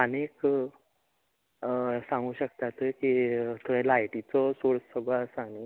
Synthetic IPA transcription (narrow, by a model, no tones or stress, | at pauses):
ənek | sãŋɡuːɕəkt̪at̪əkit̪əẽlajʈit͡sɔsoɭsəɡɭɔəsaɽ̃i